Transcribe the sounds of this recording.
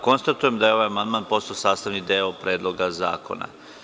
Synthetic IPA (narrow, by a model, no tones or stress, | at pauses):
ko̞nst̪at̪ujemd̪ajeo̞ʋajamand̪maːnpo̞st̪aosaːst̪aʋnid̪eopɾe̞ːd̪lˠo̞ɡaza̰ːko̞̰na̰